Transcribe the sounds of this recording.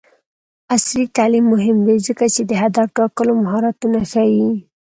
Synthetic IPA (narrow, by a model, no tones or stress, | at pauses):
aslit̪alimːʊɦɪmw̪ezəkat͡ʃed̪əɦad̪ɑɾʈɑkəlomaɦɑɾat̪unaxawi